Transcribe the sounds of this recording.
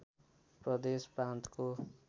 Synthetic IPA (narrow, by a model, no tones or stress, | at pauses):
pɾrʌd̪espɾãnt̪ko